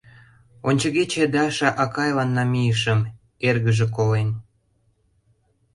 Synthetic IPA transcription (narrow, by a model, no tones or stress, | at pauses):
onʲt͡ɕə̆ɣet͡ɕĕd̪ɑʃɑʔɑkɑjlɑnːɑmijəʃə̆m | erɣəʒĕkolen